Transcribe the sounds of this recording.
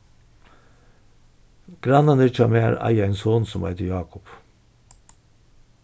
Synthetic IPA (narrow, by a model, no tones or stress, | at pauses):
ɡ̥ɾɑnɑnɪt͡ʃɑmḛːɾɑ̰jɑeːnsoːnsɔmɑ̰ɪt̪əjɑːkʊp